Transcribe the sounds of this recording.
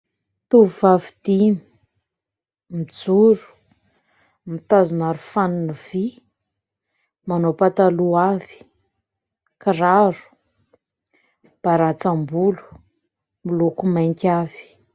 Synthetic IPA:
t̪uvuvavid̪ini | mid͡zuɾu̥ | mit̪azunaɾufaniniv̥i | manopat̪aluavi̥ | kiɾaɾu̥ | b̥aɾat͡sambulu̥ | milukumajŋkʲavi̥

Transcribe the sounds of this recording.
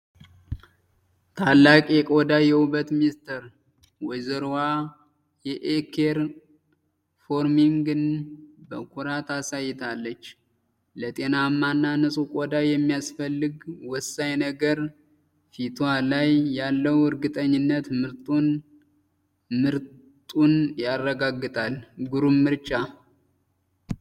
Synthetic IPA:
t̪ʰalːakʼjɛkʼod̪ajɛuβət̪minst̪ʰəɾ | wɔjzəɾwa | jɛʔekʰeɾ | foɾmiŋɡɨnbəkʰuɾat̪ʰasajːɛt̪ʰalːət͡ʃː | lət̪ʼe̞namːanːanɨsʼukʼod̪ajɛmːijasfəlːɨɡwɔsːajnəɡəɾ | fit̪ʰalajːalːəwɨɾɡɨt̪ʼəɲːɪnːət̪mɨɾt̪ʼun | mɨɾ | t̪ʼunjarːəɡaɡːɨt̪ʼalɡuɾummːɨɾt͡ʃʼa

